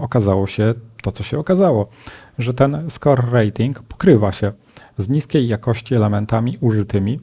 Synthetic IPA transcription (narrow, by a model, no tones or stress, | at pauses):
ɔkazawɔɕɛt̪ɔt̪sɔɕɛɔkazawɔʐɛt̪ɛnskɔɾːɛjt̪ʲiŋkpɔ̥kɾɘvaɕɛ | zɲiskʲejːakɔɕt͡ɕiɛlɛmɛnt̪amʲiʔuʐɘt̪ɘmʲi